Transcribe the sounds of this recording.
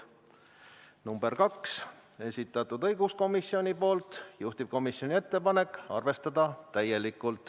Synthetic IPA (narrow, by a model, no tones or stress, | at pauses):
numb̥e̞rkɑkse̞sʲit̪ːˑɑt̪ud̪ɤjɡusko̞misːio̞nʲipo̞ːlt̪juht̪ib̥̚ko̞misjo̞nʲie̞t̪ːe̞pɑne̞kːɑ̰rve̞st̪ɑd̪̥ɑt̪æje̞likˑːult̪ˑ